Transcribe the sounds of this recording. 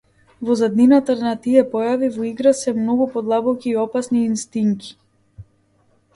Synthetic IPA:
vɔzad̪ninat̪anat̪iɛpɔjavivɔiɡɾasɛmnɔɡupɔd̪lˠabɔkʲiːɔpasniːnst̪iŋki̥

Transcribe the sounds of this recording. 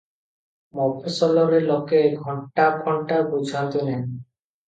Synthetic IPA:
mɔpʰesɔlɔɾelɔkeɡʱɔɳʈapʰɔɳʈabud͡ʑʱant̪onen

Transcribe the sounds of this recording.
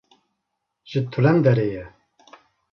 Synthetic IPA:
ʒ̥ɨt̪ʰulɛnd̪ɛɾejɛ

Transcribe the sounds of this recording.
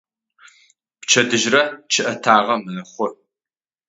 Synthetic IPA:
pt͡ʃʰɐdɨʒrɐt͡ʃʰɨʔɐtʰaːʁɐmɨnɨχʷʊ

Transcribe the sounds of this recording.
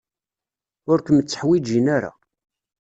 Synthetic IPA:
ʊɾkəmət͡sːə̥ħwid͡ʒinaɾa̰

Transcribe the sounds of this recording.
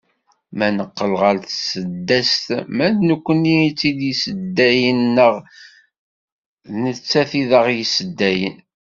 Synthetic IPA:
mænəqːəlʁəɾθsəd̪ːæst̪mæðnəkʷːənit͡sːid̪jisəd̪ːæjənːəʁ | nət͡sːæθiðəʁjisəd̪ːæjə̰n

